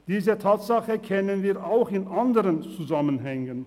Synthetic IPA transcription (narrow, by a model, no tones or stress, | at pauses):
d̥iːzətʰaːtz̥aχəkʰɛnənviːaʊxɪnandəʁənt͡suzamənɦɛŋən